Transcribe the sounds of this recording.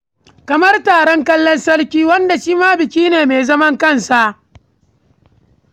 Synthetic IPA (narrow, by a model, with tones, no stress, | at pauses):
kɐ˨mɐ˦rtaː˨ɽɔ˦ŋkɐ˦lːɔ˦nsɐ˦rkʲiː˦wɐ˦nda˨ʃiː˦maː˦bɪ˨kʲiː˦neː˨meː˨zɐ˦mɐ˦ŋkɐ˦˨nsa˨ʔ